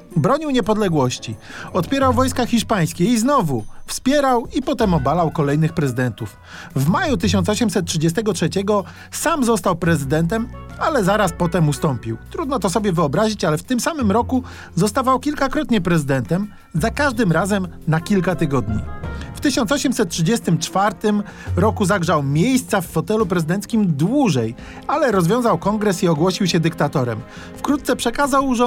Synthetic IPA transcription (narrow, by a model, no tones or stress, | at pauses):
bɾɔɲiwɲɛpɔd̪lɛɡwɔɕt͡ɕi | ɔt̪pʲjɛɾawvɔjskaxʲiʂpaj̃skʲɛiznɔvufspʲjɛɾawipɔt̪ɛmɔbalawkɔlɛjnɘxpɾɛzɘd̪ɛnt̪uf | vmajut̪ɘɕ̬ɔnsɔɕ̬ɛmsɛt̪̚tʂɘd͡ʑɛst̪ɛɡɔtʂɛt͡ɕɛɡɔ | samzɔst̪awpɾɛzɘd̪ɛnt̪̬ɛmalɛzaɾaspɔt̪ɛmust̪ɔmpʲiwt̪ɾud̪nɔt̪ɔsɔbʲjɛvɘɔbɾaʑit͡ɕalɛft̪ɘmsamɘmɾɔku | zɔst̪avawkʲilkakɾɔt̪ɲɛpɾɛzɘd̪ɛnt̪ɛm | zakaʐd̪ɘmɾazɛmnakʲilkat̪ɘɡɔd̪ɲḭft̪ɘɕɔnt̪sɔɕɛmsɛt̪̚tʂɘd͡ʑɛst̪ɘmt͡ʂfaɾt̪ɘm | ɾɔkuzaɡʐawmʲjejst̪safːɔt̪ɛlupɾɛzɘd̪ɛnt̪skʲimd̪wuʐɛj | alɛɾɔzvʲjɔ̃w̃zawkɔŋɡɾɛsiɔɡwɔɕiwɕɛd̪ɘkt̪at̪ɔɾɛ̰m | fkɾut̪̚t̪sɛpʂɛkazawʐɛ